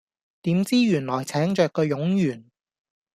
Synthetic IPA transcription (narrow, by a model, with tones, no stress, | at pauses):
t̪iː˨˥mt͡siː˥jyː˨˩nlɔː˨˩jt͡sʰɛː˨˥ŋt͡ʃœː˨kːɔː˧jʊ˨˥ŋjyː˨˩n